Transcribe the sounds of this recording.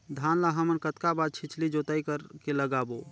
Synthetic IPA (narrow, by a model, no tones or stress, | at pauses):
d̪ʱaːnlaɦəmənkət̪kabaːd̪̚t͡ʃʰɪt͡ʃʰlid͡ʒot̪aikəɾkeləɡaːbo